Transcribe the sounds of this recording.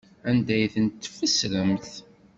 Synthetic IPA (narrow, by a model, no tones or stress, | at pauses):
ænd̪æjθənt̪ːfəsɾəmθ